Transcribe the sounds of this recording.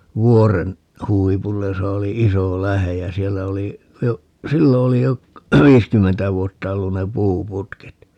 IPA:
ʋuoren huipulːej josɑ oli iso læhej jæ sielːæ oli jo silːo oli jo ʋiːskymːentæ ʋuotːɑ olːun ne puːputket

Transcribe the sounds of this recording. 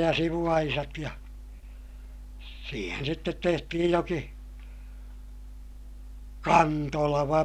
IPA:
jɑ siʋuɑisɑt jɑ siːhen sitːet tehtihij joki kɑntolɑʋɑ

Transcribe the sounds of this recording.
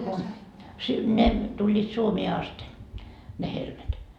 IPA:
ku si ne tulʲːiːt suomeː ɑste ne helmet

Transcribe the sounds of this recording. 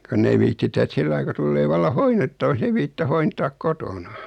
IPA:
konː ei ʋiːtːitæ et silːɑi ku tulːeː ʋɑlːɑ hoinːetːɑʋɑks ei ʋiːtːitæ hointɑːk kotonɑ

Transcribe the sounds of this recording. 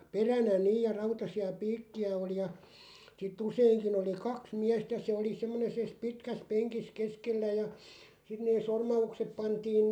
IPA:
perænæ niːj̆ jɑ rɑutɑsiɑ piːkːiæ oli jɑ sitˑ useiŋkin oli kɑks miæstæ se oli semːone ses pitkæs peŋkis keskelːæ jɑ sit neː sormɑuksep pɑntiːn

